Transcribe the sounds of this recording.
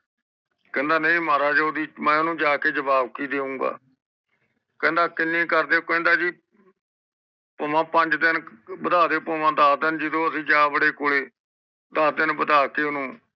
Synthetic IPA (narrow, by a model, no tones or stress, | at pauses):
kɛ̃ːnd̪aːnə̃ĩːmaːɾaːd͡ʒod̪iːmɛ̃ːʊnũːd͡ʒaːkeːd͡ʒəbaːb̚kiːd̪eːũːŋɡa̰ː | kɛ̃ːnd̪aːkɪnːĩːkəɾd̪eːkɛ̃ːnd̪aːd͡ʒiː | poːmãːpəɲd͡ʒd̪ɪnbəd̪aːd̪eːpoːʋãːd̪aːd̪ənd͡ʒɪd̪õːəsĩːd͡ʒaːbəɽeːkoːɽeː | d̪əsd̪ɪnbəd̪aːkeːʊnũː